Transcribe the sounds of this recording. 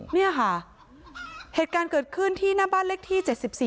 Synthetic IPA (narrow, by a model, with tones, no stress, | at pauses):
ni˥˩ɐkʰa˦˥˩ | heː˨˩t̪̚kaː˧nkɤː˨˩t̪̚kʰɯ˥˩nt̪ʰiː˥˩naː˥baː˥˩nle˦˥k̚t̪ʰiː˥˩t͡ɕe˨˩t̪̚si˨˩p̚siː˨˩